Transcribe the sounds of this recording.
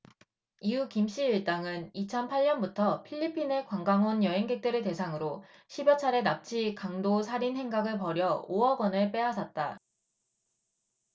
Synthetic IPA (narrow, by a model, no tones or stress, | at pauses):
iukimɕ͈iɯɭt͈aŋɯnit͡ɕʰʌnpʰaʎɲʌnbutʰʌpʰiʎːipʰine̞kwaŋɡaŋɦonjʌɦeŋɡe̞k̚t͈ɯɾɯte̞sʰaŋɯɾoɕʰibjʌt͡ɕʰaɾe̞nap̚t͡ɕʰikaŋdosʰaɾinsʰe̞ŋɡaɡɯɭpʌɾjʌoʌɡwʌnɯɭp͈e̞ɦasʰʌt̚t͈a